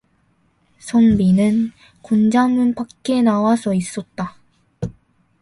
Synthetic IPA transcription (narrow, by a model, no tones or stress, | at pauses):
sʰʌnbinɯn | kond͡ʑamunpakk͈e̞nawasʰʌis͈ʌt̚t͈a